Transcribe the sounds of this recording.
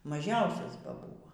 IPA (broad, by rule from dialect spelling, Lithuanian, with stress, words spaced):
mɐˈʒʲɛʊsʲɛs bɐ ˈbuːʋoː